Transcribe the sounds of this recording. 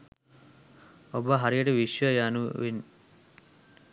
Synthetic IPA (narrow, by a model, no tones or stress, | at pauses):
obaɦaɾijəʈeʋiʃjəjanuʋin